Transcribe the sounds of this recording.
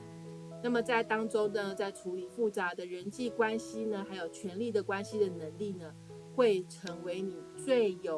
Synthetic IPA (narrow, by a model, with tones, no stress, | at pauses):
na˥˩mə˩t͡sa˥˩ɪt̪ɑ˥ŋʈ͡ʂo˥ʊnə˨t͡sa˥˩ɪʈ͡ʂʰu˧˥li˨˩fu˥˩t͡sa˧˥˦d̪ə˧ɻə˧˥nt͡ɕi˥˩kwa˥nɕi˥nə˨xa˧˥ɪjo˨˩ʊt͡ɕʰɥɛ˧˥nli˥˩d̪ə˩kwa˥nɕi˥d̪ə˨nə˧˥ŋli˥˩nə˩ | xwe˥˩ɪʈ͡ʂʰɤ˧˥ŋwe˧˥ɪni˨˩t͡swe˥˩ɪjo˨˩